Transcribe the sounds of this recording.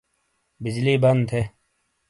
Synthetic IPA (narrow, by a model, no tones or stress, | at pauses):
bɪd͡ʑliːbɐnd̪t̪ʰe